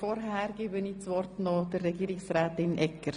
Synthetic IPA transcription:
fɔɾɦæːɾɡ̥ɪːbənit͡sʋɔrtnɔdərːɛɡiːɾɪksɾæːtɪnʔɛkːəɾ

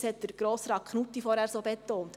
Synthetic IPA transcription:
shɛt̚d̥əɾɡ̥ɾoːsɾɑkχnut̪ːifɔɾhæːɾsoːbɛt̪oːnt̪

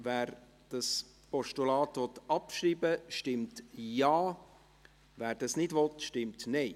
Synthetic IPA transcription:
vɛːɾ | d̥ɑs | pɔʃtulɑːtʋɔtɑpʃɾiːbəʃtɪmtjɑː | væːɾd̥ɑsnɪdvɔtʃtɪmtnɛɪ

